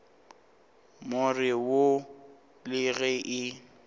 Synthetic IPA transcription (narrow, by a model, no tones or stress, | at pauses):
mʊrɪwo | lɪɣɛʔɪ